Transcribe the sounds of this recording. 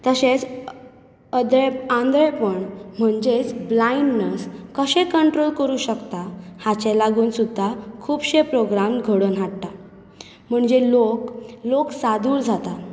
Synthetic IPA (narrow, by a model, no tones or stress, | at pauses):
t̪əɕet͡s | əd̪eãnd̪ɾepəɳm̤əɳd͡ʑet͡sblainnəskəɕẽkəɳʈɾolkəɾuːɕəkt̪ahat͡ɕelaɡuːnsud̪ʱːakʰuːbɕepɾoɡɾamɡʱəɽənɦaʈʈ̪a | m̤əɳd͡ʑelokloksad̪uːɾd͡zʱat̪a